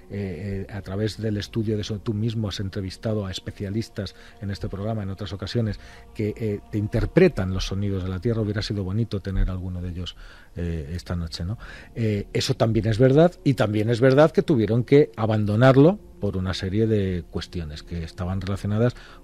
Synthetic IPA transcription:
eat̪ɾaβe̞zðe̞le̞st̪uðjo̞ðe̞sot̪umizmoase̞nt̪ɾe̞β̞ist̪að̞oaespe̞θjalist̪as | e̞ne̞st̪e̞pɾo̞ɣ̞ɾamaeno̞t̪ɾaso̞kasjo̞ne̞s | ke̞ʔt̪e̞int̪e̞ɾpɾe̞t̪anlo̞sːo̞nið̞o̞zðelat̪je̞rauβjeɾasiðo̞β̞o̞nit̪o̞t̪e̞ne̞ɾalɣ̞uno̞ðe̞ʎo̞s | ee̞st̪ano̞t͡ʃe̞no̞ | ee̞so̞t̪ambje̞ne̞zβe̞ɾðaðit̪ambje̞ne̞zβe̞ɾðaðke̞t̪uβje̞ɾo̞ŋke̞aβand̪o̞naɾlo̞ | po̞ɾunase̞ɾje̞ðe̞kwe̞st̪jo̞ne̞ske̞ːst̪aβanre̞laθjo̞naðas

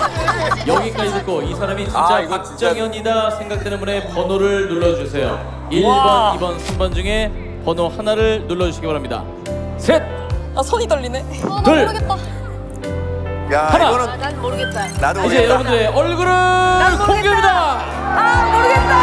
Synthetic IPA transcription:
jʌɡik͈ad͡ʑit̬͈ɯt̚k͈oisʰaɾamit͡ɕint͡ɕ͈akakt͡ɕ͈aŋjʌɲidasʰeŋɡak̚t͈enɯnbune̞pʌnoɾɯɭnuɭːʌd͡ʑusʰe̞jo̰ | iʎɡʌibʌnsʰɯnbʌnd͡ʑuŋe̞ | pʌnohanaɾɯɭnuɭːʌd͡ʑuɕʰiɡibaɾɦamɲida̰ | sʰet̚ | asʰʌɲit͈ʌʎːine | kɯɭ | jhana | id͡ʑejʌɾʌbundɯɾeʌɭɡɯɾɯ | oŋɡjemida

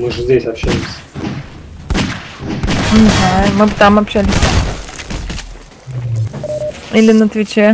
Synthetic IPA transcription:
mɨʐəzʲdʲesʲɐpɕælʲɪsʲ | m̩ɦamɨbɨt̪amɐpɕælʲɪsʲ | ilʲɪnət̪vʲɪt͡ɕe

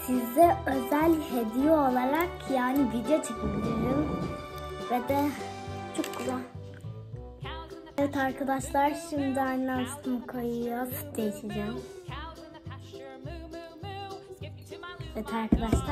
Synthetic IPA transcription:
sizɛø̞zælʲhed̪ijoːlˠaɾakjaːnivid̪ejot͡ʃʰɯkʰɯbilʲijum | vɛd̪ɛt͡ʃʰuklˠa | ɛt̪aɾkʰad̪aʃlˠaɾʃimd̪iajnlˠanst̪ɯmkʰojɯjafd̪ejiʃid͡ʒɛ | vɛt̪ʰaɾkʰad̪aʃlˠa

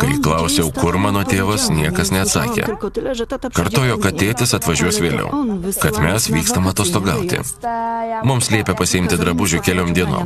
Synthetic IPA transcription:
kɐɪklˠɐʊsʲɛʊkʊɾmɑːnoːt̪ʲeːʋɐsnʲiɛkɐsnʲɛɐt̪sɑ̰ːkʲḛː | kɐɾt̪oːjoːkɐt̪ʲeːt̪ʲɪsɐt̪ʋɐʒʲuɔsʋʲeːlʲɛ̰ʊkɐt̪mʲɛsʋʲiːkst̪ɐmɐːt̪oːst̪oːɡɐ̰ʊt̪ʲɪ̰ | mʊmsʲlʲiɛpʲɛpɐsʲɪɪmʲt̪ʲɪd̪ɾɐbʊʒʲʊkʲɛlʲoːmd̪ʲiɛno̰ːm

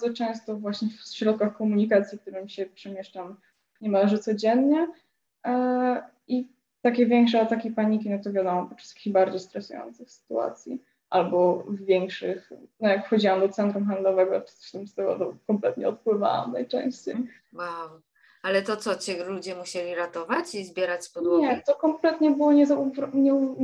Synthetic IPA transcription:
zɔt͡ʂɛ̃w̃st̪ɔvwaɕɲɛfɕɾɔt̪̚kaxkɔmuɲikat̪sʲjik̚t̪uɾɛmʲiɕɛpʂɛmʲjɛʂt͡ʂam | ɲɛmalɛʐɨt̪sɔd͡ʑɛnɲɛ | i | t̪akʲɛvʲjɛŋkʂɛat̪akʲipaɲikʲinɔt̪ɔvʲjad̪ɔmɔpɔʂsḁkʲiɣbaɾd͡ʑejst̪ɾɛsujɔ̰nt̪sɘxsɘ̥t̪ua̰t̪sʲjḭ | ʔalbɔvːʲjɛŋkʂɘxnɔjakfxɔd͡ʑiwamd̪ɔt̪sɛnt̪ɾumxand̪lɔvɛɡɔt̪ɔ̥sɛst̪ɘmst̪ɛɡɔ̰t̪ɔkɔmplɛt̪ɲɛɔt̪̚pwɘva̰wa̰mna̰jt͡ʂɛ̰̃w̃ɕt͡ɕej | waw | alɛt̪ɔt̪sɔt͡ɕɛlud͡ʑɛmuɕɛlʲiɾat̪ɔvat͡ɕizbʲjɛɾat͡ɕspɔd̪wɔɲɛt̪ɔkɔmplɛt̪ɲɛbɘwɔɲɛzavɲɛ

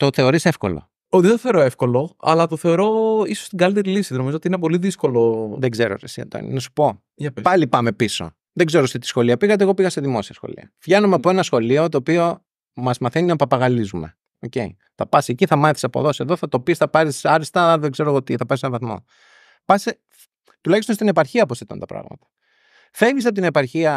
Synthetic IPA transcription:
t̪o̞θe̞o̞ɾisefko̞̰lo̰ | ot̪iðt̪oθeɾoefko̞lo̞ɐ̰lɐt̪oθe̞o̞ɾo̞isost̪iɡɐlit̪e̞ɾilisiðenoizot̪iinep̬o̞liðisko̞loðeɡzeɾo̰ɾḛsiɐ̰t̪o̰ḭnḭnɐsu̥po̞ | pɐlipɐme̞piso̞̰ | ðeɡze̞ɾost̪it̪i̥sxo̞liɐpiɣɐt̪eɣo̞piɣɐseðimo̞siɐsxo̞̰lḭɐ̰vʝɐnumeɐpoenɐsxo̞lio̞t̪o̞ːpio̞ | mɐzmɐθeninɐpɐpɐɣɐlizume̞ | oce̞̰ḭ | θɐpɐseciθɐmɐθisɐpo̰ðo̞se̞ðo̞θɐt̪o̞pisθɐpɐɾisɐɾist̪ɐðeɡze̞ɾoɣot̪iθɐpɐisenɐvɐθmo̞̰ | pɐse | t̪ulɐçist̪ost̪ine̞pɐɾçiɐposθet̪o̰nt̪ɐpɾɐ̰ɣmɐ̰t̪ɐ̥ | fe̞visɐpot̪inepɐɾçiɐ

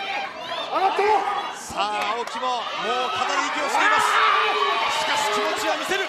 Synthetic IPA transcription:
oɾat̪e | saːokʲimo̞moːkat̪aɾʲiikʲioɕeimasɨ̥ | ɕi̥kaɕi̥kʲimot͡ɕiβamʲise̞ɾɯ̟

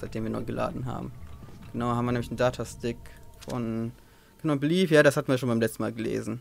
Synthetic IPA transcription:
zaɪtd̥eːmviɐnɔ̰ʏɡəlʔa̰ːdn̩ɦa̰ːbm̩ɡ̥ənaʊhabm̩iːɐnɛmlɪçn̩daːtʰastɪkfɔ̰n | ɡ̥ənaʊbliːfjaːdashatn̩viɐʃ̬oːnmbaɪmlɛt͡stn̩ma̰ːlɡəlḛːzn̩

